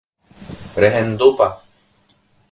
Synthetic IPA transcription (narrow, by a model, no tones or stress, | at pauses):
ɾeɦẽnd̪upa